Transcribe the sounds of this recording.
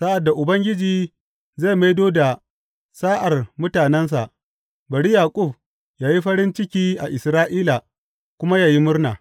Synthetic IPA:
sa˦ʔa˨dːa˨ʔʊ˨bɐ˦ŋɡʲɪ˦d͡ʒiː˨ | za˦˨ma˦jdoː˦da˨ | saː˦ʔa˨rmʊ˦taː˨nɛ˦ns̬a̰˨ʔ | bɐ˨ɽi˦jaː˨kʼʊ˦˨b | jaː˦ji˦ɸɐ˦ɽɪ˦nt͡ʃɪ˦kʲiː˦ʔa˨ʔɪ˨sɾaː˦ʔiː˦la˨ | kʷʊ˦ma˦jaː˨ji˦mʊ˦rnaː˨

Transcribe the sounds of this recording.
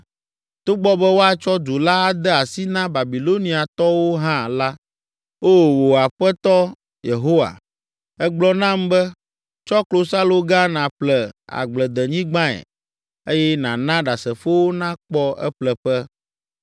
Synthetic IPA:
t̪o˦ɡ͡bɔ˦bɛ˦wo˦a˨t͡ʃɔ˦d̪u˨la˦a˦d̪ɛ˦a˨si˦nã˦ba˨bi˨lo˦nĩ˨a˨t̪ɔ˦wo˦ɦã˦la˦ | o˦˨wo˨a˨ɸɛ˦t̪ɔ˦ | je˨ɦo˦wa̰˨ | ɛ˦ɡ͡blɔ˦nã˦mbɛ˦ | t͡ʃɔ˦klo˦sa˦lo˨ɡa˦nã˨ɸlɛ˨a̰˨ɡ͡blɛ˨d̪ɛ˨ɲĩ˦ɡ͡bã˦ɛ̰˨ | e˦jɛ˦nã˨nã˦ɖa˨sɛ˨fo˦wo˦nã˦k͡pɔ˦ʔɛ̰˦ɸlɛ˨ɸɛ˦

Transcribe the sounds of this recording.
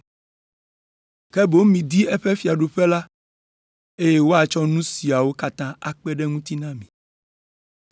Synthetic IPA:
kɛ˦bo˦mĩ˨d̪i˦ɛ˦ɸɛ˦fi˨a˨ɖo˨ɸɛ˦la˦ | e˦jɛ˦wo˦a˨t͡ʃɔ˦nũ˦si˨a˨wo˦ka˦t̪ã˦a˨k͡pɛ˦ɖɛ˦ŋũ˦t̪i˦nã˦mĩ˨

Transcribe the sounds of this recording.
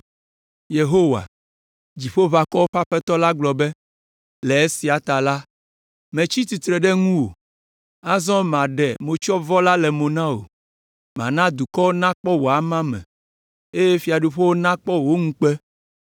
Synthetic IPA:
je˨ɦo˦wa̰˨ | d͡ʑi˨ɸo˦βa˨kɔ˦wo˦ɸa˦ɸɛ˦t̪ɔ˦la˦ɡ͡blɔ˨bɛ˦ | lɛ˨e˦si˨a˨t̪a˨la˦ | mẽ˨t͡ɕi˦t̪i˨t̪ɾɛ˨ɖɛ˦ŋũ˦wo̰˨ | a˦zɔ̃˦mã˨ɖɛ˨mõ˨t͡ʃɔ˦vɔ˦la˦lɛ˨mõ˨nã˦o̰˨ | m˨ã̰˨nã˦d̪u˨kɔ˦wo˦nã˦k͡pɔ˦wo˨a˨mã˦mɛ̰̃˨ | e˦jɛ˦fi˨a˨ɖu˦˨ɸe˦wo˦nã˦k͡pɔ˦wo˦ŋũ˦k͡pɛ˦

